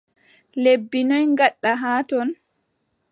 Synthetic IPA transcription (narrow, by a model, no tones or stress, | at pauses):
lebːinɔjŋɡaɗːaɦaːtɔn